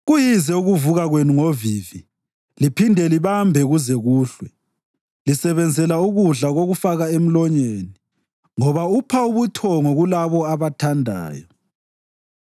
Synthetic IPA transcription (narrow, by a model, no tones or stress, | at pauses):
ɣujizɛuɣuvuɣaɣwenuŋoviːvi | lipʰindʱɛliβambʱɛɣuzɛɣuːɬwɛ | lisɛβɛnd͡zʱɛlauɣuɮaɣoɣufaɣaem̩lɔɲeːni | ŋɔβaupʰauβutʰɔŋoɣulaβɔaβatʰandʱa̰ːjɔ